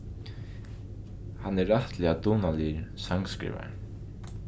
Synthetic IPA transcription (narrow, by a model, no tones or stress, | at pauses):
hanɛɾaht̪lɛat̪uːnaliɾsaŋkskɾḭːva̰ɹ